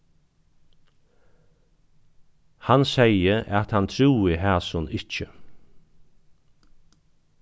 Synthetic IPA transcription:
hansɛjəʔat̪hant̪ʰɾuːiɦæːsʊnɪt͡ʃə

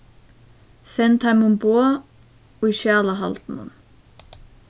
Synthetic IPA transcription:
sɛnt̪ʰajmʊmboː | ɔiʃjaːlaɦa̰lt̪nʊ̰n

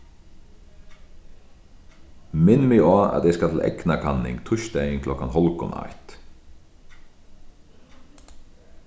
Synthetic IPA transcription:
mɪnmɪɔa̰t̪ɛskat̪ʰɪlʔɛ̰knakʰanːɪ̰ŋkt̪ʰʊʃt̪ɛjɪŋkʰlɔkanɦɔlkʊna̰jt̪

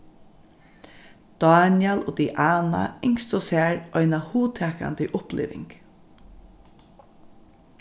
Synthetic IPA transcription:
d̪̥ɑːnɪɛloːd̪iʔaːna̰ɪŋst̪ɔsæːɹɔɪnahuːt̪ʰɛːka̰nd̪ɪʔʊplʔɪ̰ːʋɪ̰ŋk

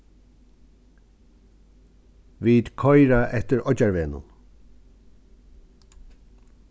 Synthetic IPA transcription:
viːd̪kʰɔjɾaʔɛht̪əɹɔt͡ʃaɹveːnʊ̰n

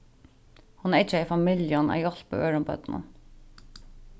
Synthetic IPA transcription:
hʊnɾɪt͡ʃːəɪfamɪljɔna̰jɔl̥pə̰øːɹʊmbœ̰t̪nə̰n

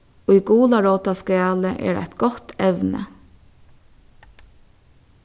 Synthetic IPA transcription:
ijɡuːlaɹoːt̪askæːləʔɛ̰ːɾæ̰jt̪ɡɔt̪ɛʋnə̰

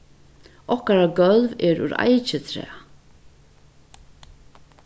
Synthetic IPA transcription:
ʔɔhkaɾaɡœlvɛɾṵɾa̰jt͡ʃət̪ʰɾɛ̰ː

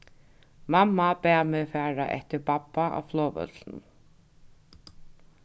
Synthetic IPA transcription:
mamːapɛːmɛfɛːɾa̰ʔɛ̰ht̪ɪɾpapːaʔa̰wflɔːvœ̰t̪ln

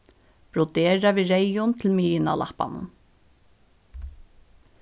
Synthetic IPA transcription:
pɾɔt̪eːɾaviɾejʊnt̪ʰɪlmiːjɪna̰lʔa̰hpa̰nʊ̰n

